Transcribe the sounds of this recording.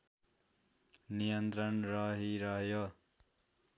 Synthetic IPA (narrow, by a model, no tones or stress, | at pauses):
nijʌnt̪ɾʌnrʌɦiɾʌɦjʌ